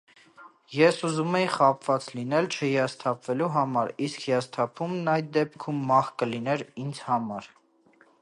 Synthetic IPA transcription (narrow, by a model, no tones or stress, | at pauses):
jɛsuzumɛjiχɑpʰvɑt͡slinɛlt͡ʃʰəɦijɑst̪ʰɑpʰvɛluɦɑmɑɾiskʰhijɑst̪ʰɑpʰumnɑjt̪̚d̪ɛp̚kʰumːɑχkəlinɛɾind͡zhɑmɑɾ